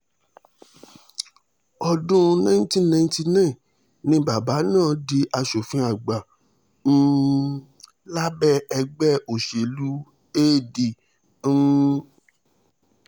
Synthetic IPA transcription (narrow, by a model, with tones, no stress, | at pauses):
ɔ˧dũ˦˧nã˦n˦tĩ˦nã˧˦ti˧nã˦˨ | nĩ˦ba˨ba˨˦nãː˦˨di˧ʔa˧ʃo˨fĩ˧˦a˨ɡ͡ba˨˦ | la˦bɛ˦ɛ˧ɡ͡bɛ˦o˨ʃe˨lu˨˦ | eː˦˨dĩ˨˦